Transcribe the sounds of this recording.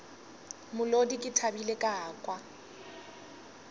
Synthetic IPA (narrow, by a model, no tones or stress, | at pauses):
mʊlodikʼɪtʰabilekʼaːkʼwa